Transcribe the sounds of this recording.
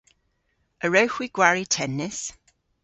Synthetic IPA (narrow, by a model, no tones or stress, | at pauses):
əɹəwxwiɡ̥waɹitʰɛnːɪs